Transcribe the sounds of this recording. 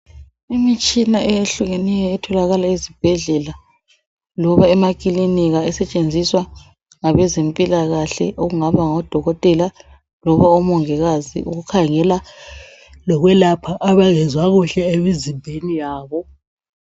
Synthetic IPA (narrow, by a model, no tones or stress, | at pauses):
imit͡ʃʼinaɛjeɬuɣenijɛːtʰɔlaɣalaizib̥ʱɛɮɛla | lɔβaɛmakʼiliniɣaɛsɛt͡ʃʼend͡zʱiswa | ŋaβɛzempʼilaɣaɬɛ̰ʔoɣuŋaβaŋɔd̥ʱɔɣɔtʼɛla | lɔβaɔmɔŋɛɣazḭuɣukʰaŋɛla | lɔɣwɛlapʰaʔaβaɣɛzwaɣuɬɛemizimbʱenijaːβɔ